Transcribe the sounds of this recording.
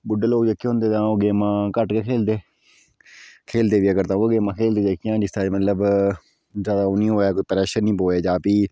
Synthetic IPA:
bʊɖːeːloːkd͡ʒekʰːeɦʊ̃nd̪eːt̪ãːoːɡeːmãːkəʈkeːkʰeːld̪eː | kʰeːld̪eːʋiːəɡəɾt̪ãːoːɡeːmãːkʰeːld̪eːd̪eːkʰijãːd͡ʒɪst̪aːmət̪ləb | zaːd̪aːoːnĩːɦoːaːkoipəɾɛːʃənnĩːpoːeːd͡ʒaːpiː

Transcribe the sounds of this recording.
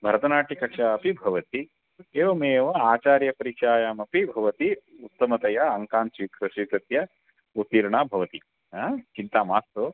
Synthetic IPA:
bʱɐɾɐt̪ɐnaːʈikɐkʂaɐpibʱɐʋɐt̪i | eːʋɐmeːʋɐaːt͡ʃaːɾjɐpɐɾikʂaːjaːmɐpibʱɐʋɐt̪iut̪ːɐmɐt̪ɐjɐɐŋkaːnt͡ʃiːkʰɾɐʂiːt̪ɐt̪jɐ | ut̪ːiːɾɳaːbʱɐʋɐt̪i | at͡ʃint̪aːmaːst̪oː

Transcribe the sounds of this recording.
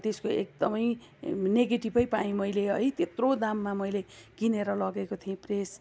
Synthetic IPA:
t̪eskoḛk̚d̪ʌmʌjneɡeʈibʌjpaĩmʌjleʌ̰jt̪et̪rod̪amːamʌjleɡ̥ineɾʌlʌɡekot̪ʰiẽpres

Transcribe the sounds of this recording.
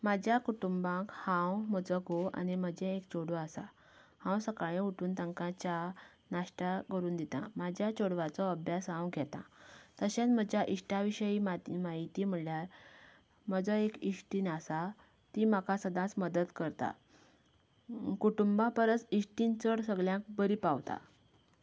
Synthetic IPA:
mad͡ʑʱjakuʈumbãkhãwm̤əd͡zɔɡʱoa̰niməd͡ʑʱɛ̃ekt͡ɕoɽɔasa̰ | hãwsəkaɭẽuʈuːnt̪ãŋkãt͡ɕa | naʂʈakəɾuːnd̪it̪ã̰mad͡ʑʱjat͡ɕoɽʋat͡sɔəbʱjasɦãwɡʱɛt̪ã̰t̪əɕãt͡sm̤əd͡ʑjaʔiʂʈaʋiɕəjiːmamaɦit̪im̤əljaɾ | məd͡zɔekiʂʈinasa | t̪imakasəd̪ʱãt͡sməd̪əd̪kəɾt̪a̰ | kuʈumbãpəɾət͡siʂʈint͡səɽsəɡɭjãk̚bəɾipawt̪a̰

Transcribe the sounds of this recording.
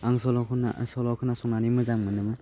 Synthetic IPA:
aŋsɔlɔkʰɯna̰sɔlɔkʰɯnasɔnanimɯzaŋmɯnɯmɯ

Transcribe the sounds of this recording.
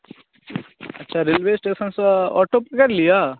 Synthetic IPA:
ɐ̰tːʃʰaɾɪlʋeːsʈeːsənsɔ̰ːʈoːpkɐɾlijaː

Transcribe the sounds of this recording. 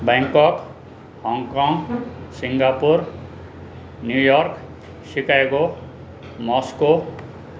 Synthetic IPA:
baŋkʌk | hʌŋkɔŋɡsiŋɡapur | njujʌrk | sikaeko | mʌsko

